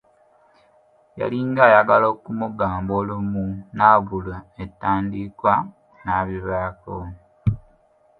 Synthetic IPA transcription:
ja̰liŋɡaːjaɡalo̞ːkumuɡaːmboːlumunaβulaetːaːndikwa | naβiβaːko

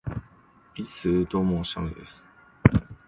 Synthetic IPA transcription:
isɨd̪omoːɕa̰nod̪esɨ̥

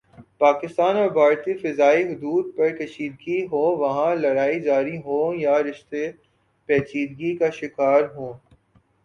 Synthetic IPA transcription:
paːkɪst̪aːnɔːɾbʱaːɾt̪ifɐzaːiɦʊd̪uːd̪̚pɐɾkɐʃiːd̪ɡiɦoːʋɐɦãlɐɾaːid͡ʒaːɾiɦõːjaɾɪʃt̪e | pɛːt͡ʃiːd̪ɡikaʃɪkaːɾɦõː

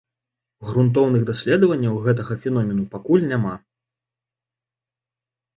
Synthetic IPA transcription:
ɣɾunt̪̬ɔwnɨɣd̪asʲlʲɛd̪ɐvɐnʲːɐwɣɛt̪̬ɐɣɐfʲɛnɔmʲɛnupakulʲnʲama

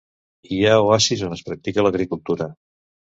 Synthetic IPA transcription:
iaoasizonəspɾək̚t̪ikələɣɾikulˠt̪uɾə

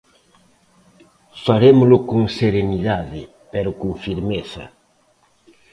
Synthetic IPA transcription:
faɾemʊlʊkuŋseɾeniðaðɪ | peɾʊkuŋfiɾmeθɐ̰

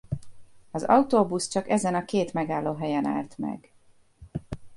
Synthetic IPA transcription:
ɒzɒ̰wt̪oːbust͡ʃɒkɛzɛnɒkeːt̪mɛɡaːlːoːɦɛjɛna̰ːlt̪mɛ̰ɡ

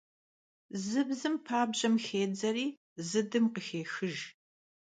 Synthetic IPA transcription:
zɨbzɨmpʰaːbʑɐmxeːd͡zɐɾiː | zɨdɨmqəxeːxɨʒ

